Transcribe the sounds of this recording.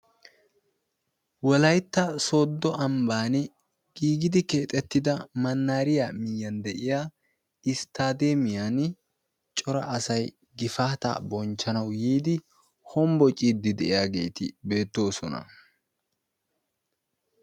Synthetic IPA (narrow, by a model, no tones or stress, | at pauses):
wɔlɐjt̪ːɐso̞ːd̪ːɔʔɐmbaːnɛ | ɡ̥iːɡɪd̪ɪkeːt̪ʼɛt̪ːɪd̪ɐmɐnːaːɾɪjaːmɪjːɐnd̪ɛʔɪjaː | ɪst̪aːd̪emɪjan | t͡ʃʼɔɾɐʔːsɐj | ɡɪfaːt̪a̰ːbɔnt͡ʃːɐnɐwjiːd̪ɪ | hɔmbɔt͡ʃʼiːd̪ːɪd̪ɛʔɪjaːɡe̞̰ːt̪ɪ̰be̞ːt̪ːo̞ːsɔnɐ̰